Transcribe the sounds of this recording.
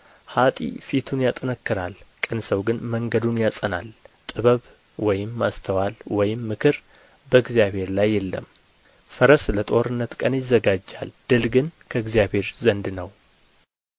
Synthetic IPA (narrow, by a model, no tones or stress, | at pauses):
hat̪ʼḭfit̪ʰunjat̪ʼənəkːɨɾa̰lkʼɨnsəwɡɨnməŋɡəd̪unjasʼəna̰lt̪ʼɨβəβ | wɔjɪmːast̪ʰəwalwɔjɪmːɨkʰɨɾ | bəɨɡzjaβhe̞ɾlajːɛlːə̰m | fəɾəslət̪ʼo̞ɾɨnːət̪kʼənjɪzːəɡad͡ʒːa̰ld̪̥ɨlɡɨnkʰəɨɡzijaβhe̞ɾzənd̪nəw